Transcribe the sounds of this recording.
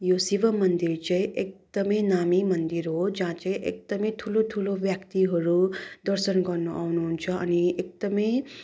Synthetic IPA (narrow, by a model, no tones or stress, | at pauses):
josibʌmʌnd̪iɾt͡sãĩʔek̚d̪ʌmʌjnamimʌnd̪iɾɦod͡zãt͡sãĩʔḛk̚d̪ʌmʌjt̪ʰulot̪ʰulobjakt̪iɦʌɾud̪ʌɾsʌnɡʌrnuʔawnuɦunt͡sʰʌʌ̰niek̚d̪ʌmʌj